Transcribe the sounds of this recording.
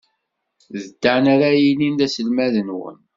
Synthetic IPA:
ðəd̪̥ːaʕnaɾæjinind̪æsəlmæðənwə̰n

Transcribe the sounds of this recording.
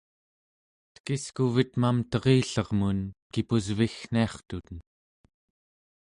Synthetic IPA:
t̪kiskuvit̪mamt̪ʌʁiːɬʌʁmunkipuzvixn̥iɑχt̪ut̪ən

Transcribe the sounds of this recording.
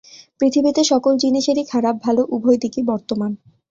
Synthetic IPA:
pɾit̪ʰibit̪eʃɔkold͡ʑiniʃeɾikʰaɾab̚bʱaloʔubʱojd̪ikibɔɾt̪oman

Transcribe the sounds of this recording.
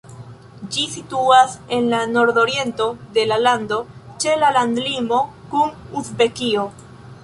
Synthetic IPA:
d͡ʒisituase̞nlano̞ɾdo̞ɾje̞nto̞de̞lalando̞t͡ʃe̞lalandlimo̞kunusbe̞kio̞

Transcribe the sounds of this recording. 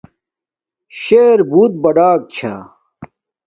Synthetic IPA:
ɕeːɾbuːt̪̚bɐɖaːk̚t͡ɕʰa̰

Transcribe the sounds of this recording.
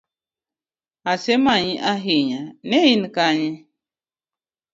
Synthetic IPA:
asemaɲiʔaɦiɲanejinikaɲi

